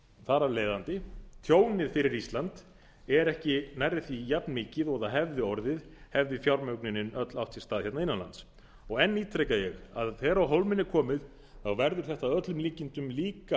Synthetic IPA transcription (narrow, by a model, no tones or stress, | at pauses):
θaɾaleːjðant̪ɪt̪ʰjoːwnɪðfɪɾɪɾist̪lant̪ | ɛɾɛhcɪnajɾðɪθijapnmɪːcɪðɔɣðaɦɛvðɪɔɾðɪðhɛvðɪfjawɾmœɥknɪnːɪnœt̪law̥t̪sɪst̪aːðçɛt̪naɪnːanlant̪s | ɔɣɛnːiːt̪ʰɾejkajɛɣaðθɛːɾawɦowlmɪnːɛɾkʰɔːmɪð | θawvɛɾðʏɾ̥θɛht̪aðœt̪lʏmliːcɪnt̪ʏmliːka